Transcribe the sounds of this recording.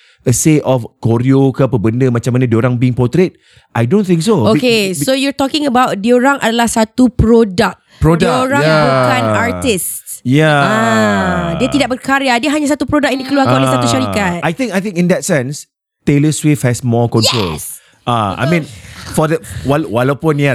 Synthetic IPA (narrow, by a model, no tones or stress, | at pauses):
əsetɔfkoɾiokapəbəndəmat͡ʃamːanãdioɾaŋbiɪ̃ŋpɔt̪ɾet̪̚ | ʔajdõnθĩŋksookesojɔt̪ɔkɪ̃ŋəbawt̚dioɾaŋʔadalahsat̪upɾodak̚pɾodaɾajŋaŋbukanart̪ɪstjaa | diat̪idak̚bərkaɾjadiəɦaɲas̬at̪upɾodak̚jãndikəluaɾalasauʃaɾikat̪̚ajt̪ĩŋkajt̪ɪ̃ŋkĩndɛt̚sɛ̃ns | t̪eləswefhɛsmɔkɔ̃nt̪ɾo̰l | ʔaa̰jmĩnfɔdəwawalawpʊ̃nja